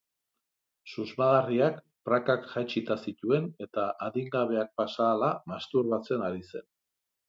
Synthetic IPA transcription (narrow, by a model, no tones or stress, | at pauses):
suzmaɣariak | pɾakakʝajt͡ʃit̪asit̪ue̞ne̞t̪aʔaðiŋɡaβ̞e̞ak̚pasaːlamast̪urβat͡se̞naɾise̞̰n